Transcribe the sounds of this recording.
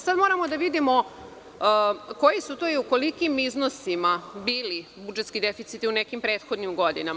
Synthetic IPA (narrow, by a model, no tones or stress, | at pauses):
sad̪moɾamod̪aʋid̪imo | ko̞jisut̪oːiuko̞likimiznosimabiːlibud͡ʒet̪skid̪efit̪sit̪iunekimpɾeːt̪xo̞d̪nimɡo̞d̪inam